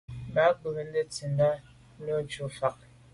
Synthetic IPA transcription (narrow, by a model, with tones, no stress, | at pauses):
ba˨˦bn̩˦de˦t͡si˨nda˦ | no˦t͡ʃu˨fa˨k̚